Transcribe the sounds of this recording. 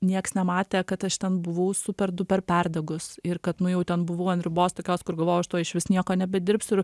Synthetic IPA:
nʲiɛksnʲɛmɑːt̪ʲeːkɐt̪ɐʃt̪ʲɛnbʊʋɐʊsʊpʲɛrd̪ʊpʲɛrpʲærd̪ɐɡʊsɪrkɐt̪nʊjɛʊt̪ʲɛnbʊʋɐʊɐnd̪ʲɾʲɪboːst̪oːkʲoːskʊrɡɐlˠʋoːjɛɐʃt̪oːɪʃʲʋʲɪsnʲiɛkoːnʲɛbʲɛd̪ʲɪɾpsɪɾ

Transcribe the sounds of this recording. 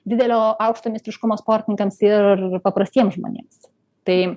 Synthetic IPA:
d̪ʲɪd̪ʲɛlʲoːɐʊkʃt̪oːmʲɪsʲt̪ɾʲɪʃkʊmoːspoːɾʲt̪ʲɪnʲɪŋkɐmsɪrrpɐpɾɐsʲt̪ʲiɛmsʒmo̰ːnʲḛːms | t̪ɐɪ

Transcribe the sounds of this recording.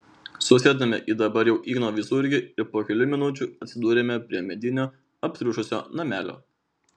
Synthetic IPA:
sʊsʲeːd̪ɐmʲɛʔid̪ɐbɐɾjɛʊʔiːnoːʋʲɪsʊɾʲɡʲɪɪɾpoːkʲɛlʲʊmʲɪnʊt͡ʃʲʊɐt̪ʲsʲɪd̪uːɾʲeːmʲɛpʲɾʲiɛmʲɛd̪ʲɪnʲoː | ɐpʲsʲɾʲuʃʊsʲo̰ːnɐmʲæːlʲo̰ː

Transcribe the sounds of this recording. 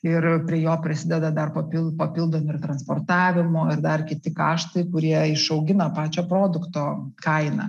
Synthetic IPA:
ɪrpʲɾʲiɛjoːpʲɾʲɪsʲɪd̪ʲɛd̪ɐd̪ɐrpɐpʲɪpɐpʲɪlˠd̪oːmʲʊɪrt̪ɾɐnspoːrt̪ɑːʋʲɪmoːɪɾd̪ɐrkʲɪt̪ʲɪkɑ̰ːʃt̪ɐɪkʊɾʲiɛɪʃɐʊɡʲɪnɐpɑːt͡ʃʲoːpɾoːd̪ʊkt̪oːkɐɪnɐ̰

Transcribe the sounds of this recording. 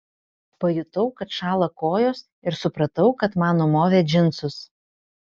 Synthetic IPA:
pɐjʊt̪ɐʊkɐt̪ʃɑːlˠɐkoːjoːs | ɪɾsʊpɾɐt̪ɐʊkɐt̪mɑːnoːmoːʋʲɛd͡ʒʲɪnt̪sʊs

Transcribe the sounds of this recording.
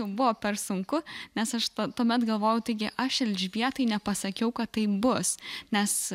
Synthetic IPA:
ɛʊbʊʋoːpʲɛrsʊŋkʊnʲɛsɐʃt̪ot̪uːmʲɛt̪ɡɐlˠʋoːjʊt̪ɐɪɡʲɪʔɐʃɛlʲʒʲʋʲiɛt̪ɐɪnʲɛpɐsɐkʲɛʊkɐt̪ːɐɪbʊsnʲɛs

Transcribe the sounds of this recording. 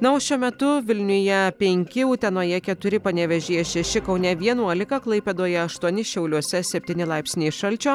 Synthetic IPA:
nɐoːʃʲuɔmʲɛt̪ʊʋʲɪlʲnʲʊjɛpʲɛŋʲkʲɪuːt̪ʲɛnoːjɛkʲɛt̪ʊɾʲɪpɐnʲɛʋʲɛʒʲijɛʃʲɛʃʲɪkɒʊnʲɛʋʲiɛnuɔlʲɪkɐklˠɐɪpʲeːd̪oɔjɛɐʃt̪uɔnʲɪʃʲɛʊlʲuɔsʲɛsʲɛpʲt̪ʲiːnʲɪlˠɐɪpsʲnʲeːʃɐlʲt͡ʃʲoː

